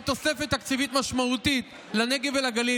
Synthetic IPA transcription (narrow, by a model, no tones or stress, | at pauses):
t̪o̞sefet̪ːakt͡sivit̪maʃmaut̪it̪ | lane̞ɡevelaɡali